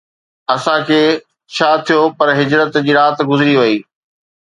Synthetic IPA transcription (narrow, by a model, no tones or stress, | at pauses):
ɐsãkʰeː | t͡ɕʰaːt̪ʰijopɐɾɦɪd͡ʑɾət̪d͡ʑiːɾaːt̪ɡʊzɪɾiʋɐiː